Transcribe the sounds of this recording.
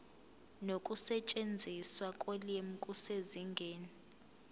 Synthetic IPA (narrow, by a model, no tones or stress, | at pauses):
nokʼusɛt͡ʃʼend͡zʱiswakʼoliem̩kʼuseziŋɡʱeːni